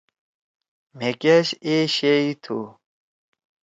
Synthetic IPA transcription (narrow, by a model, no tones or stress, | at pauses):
m̤ekɐɕeɕeit̪ʰu